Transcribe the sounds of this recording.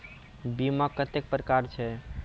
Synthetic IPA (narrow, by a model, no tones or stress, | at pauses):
bimakːət̪ek̚pɾəkaɾt͡ʃʰɛ